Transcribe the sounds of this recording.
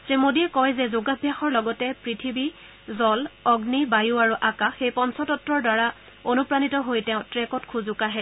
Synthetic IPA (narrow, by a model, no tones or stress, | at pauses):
sɹemodiɛkɔjzɛzoɡabʱjaxɔɹlɔɡɔtɛpɹitʰibi | zɔlɔɡnibajuaɹuʔakaxejpɔnsɔtɔtːɹɔɹdwaɹa | onupɹanitɔɦojtɛʊ̃tɹɛkɔtkʰuzʊkaɦɛ